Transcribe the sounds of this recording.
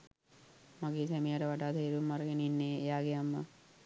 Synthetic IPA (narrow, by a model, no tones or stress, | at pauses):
maɡeːsɛmijaʈəʋaɖaːt̪eːɾumːaɾəɡeninːeːejaːɡejamːə